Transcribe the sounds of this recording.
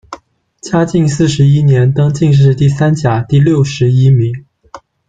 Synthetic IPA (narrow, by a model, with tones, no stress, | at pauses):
t͡ɕja˥t͡ɕi˥˧ŋs̬ɹ̩˥˩ʂɻ̩˧˥i˥njɛ˧˥nt̪ɤ˥ŋt͡ɕi˥˧ŋʂ̬ɻ̩˥˧t̪i˥˩sa˥nt͡ɕja˨˩t̪i˥˧ljo˥˩ʊʂɻ̩˧˥i˥mi˧˥ŋ